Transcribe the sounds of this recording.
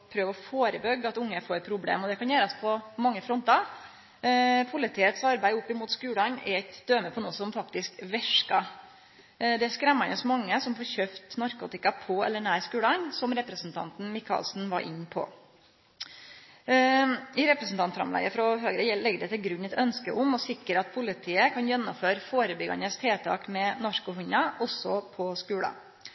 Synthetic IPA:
pʰɾøːʋɔfoːɾəbœɡɑt̪ʊŋːəfoːɾpʰɾʊblḛːmɔd̪ɛkɑnjæːɾɑspʰɔmɑŋːəfɾɔnt̪ɑ | pʰʊlɪt̪ʰɪːɛt̪sɑɾbæɪʊpːɪmʊːt̪skʉːlɑɲɛɾɛt̪d̪̥øːməpʰɔnuːəsɔmfɑkt̪ɪskʋɛʂkɑ | d̪ɛæskɾɛmːɑnɔsmɑŋːəsɔmfoːɾçøːft̪nɑɾkṵːt̪ɪkɑpʰɔɛ̰lːəɳæːɾskʉːlɑnsɔmɾɛpɾəsn̩t̪ʰɑ̰nt̪n̩mɪkʰɑ̰ːlsn̩ʋɑ̰ɾʔɪ̰ɲːpʰɔ̰ | ɪɾɛpɾəsn̩t̪ʰɑnt̪fɾɑ̰mlæ̰ːɡəfɾɔɦøːɡɾəjɛlɛɡɖ̪ɛt̪ɪlɡɾʉɲːɛt̪œnskəʔʊmɔsɪkəɾɑt̪̚pʰʊlɪt̪ʰiːəkʰɑnjɛnːɔmføːɾfoːɾəbʏɡɑ̰nəst̪ʰeːt̪ʰɑ̰ːkmɛnɑʂkʊhʉɲɑɔsːɔpʰɔskʉːɽɑ̰

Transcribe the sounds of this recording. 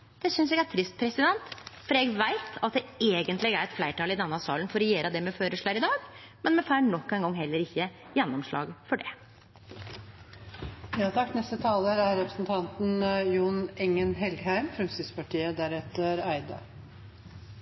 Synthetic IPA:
d̪̥ɛsʏnsjɛɡæʈʰɾɪst̪̚pʰɾɛsɪd̪ɛnt̪fɔɾjɛɡʋæɪt̪ɑt̪̚d̪ɛeːɡənt̪lɪɡæɾɛt̪flæɪʈɑːlɪd̪ɛnːɑsɑ̰ːlənfɔɾɛjeːɾɑd̪ɛmɛføːɾəʂɭɑːɾɪd̪ɑːɡ | mɛnmɛfæɪɳɔkːɛɪŋɡɔŋːhɛlːəɾɪçːə | jɛnːɔmʂɭɑ̰ːɡfɔɖɛ | jɑːt̪ʰɑkːnɛst̪ət̪ʰɑːləɾæɾɾɛpɾəsnt̪ʰɑnt̪n̩juːnɛŋːənɦɛlɡhæɪmfɾɔmst̪ʏt̪spɑʈʰiːəd̪æɾɛt̪əɾæɪd̪ɑ̰

